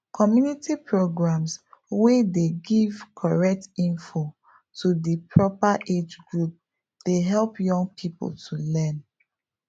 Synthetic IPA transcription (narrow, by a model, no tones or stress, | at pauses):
kʰɔmjunitipʰɹoɡɹãmswedeɡivkʰɔɹɛk̚tĩnfo | tʰudipʰɹɔpaʔed͡ʒɡɹup̚ | d̥eɦɛlˠpjɔ̃ŋɡ̚pʰipo̰ltʰulɛ̃n